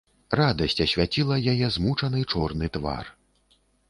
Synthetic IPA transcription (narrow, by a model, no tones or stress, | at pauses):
rad̪ɐsʲt͡sʲɐsʲvʲat͡sʲilˠɐjajɛzmut͡ʂɐnɨt͡ʂɔrnɨt̪va̰r